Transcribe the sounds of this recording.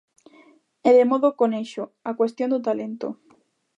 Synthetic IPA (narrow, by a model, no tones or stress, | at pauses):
eðemoðokoneʃoakwest̪jond̪ot̪alent̪o̰